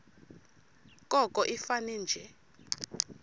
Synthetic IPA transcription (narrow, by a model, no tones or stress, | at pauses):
kʼɔkʼɔʔifanɛːnd͡ʒʱɛ